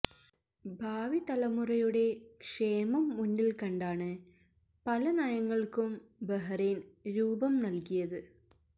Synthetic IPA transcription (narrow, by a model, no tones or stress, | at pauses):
bʱaːʋit̪ɐlɐmurɐjuɽe̞kʂe̞ːmɐmːunɖilkɐɳɖaːɳɨ | pɐlɐnajɐŋːɐɭkumbɐɦɐrenɾuːbɐmnɐlkijɐðɨ